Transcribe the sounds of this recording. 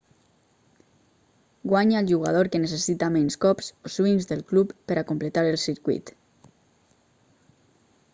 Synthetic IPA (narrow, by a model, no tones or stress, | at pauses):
ɡwaɲaelˠʒuɣ̞a̰ð̞oɾkenes̬esit̪amenskɔpsosiɲzðəlˠklupːəɾakomplet̪aɾelˠsiɾkwḭt̪